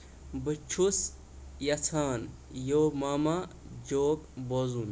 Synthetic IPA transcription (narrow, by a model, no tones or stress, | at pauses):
bɨt͡ʃʰus | jɐt͡sʰaːn | joːmaːma | d͡ʒoːkbozum